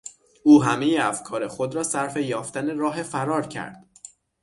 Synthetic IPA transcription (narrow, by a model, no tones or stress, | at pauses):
ʔuːɦæme̞jeæfkʰɒːɾe̞xo̞d̪ɾɒːsæɾfe̞jɒːft̪æne̞ɾɒːɦe̞fæɾɒːɾcʰæ̰ɾd̪̥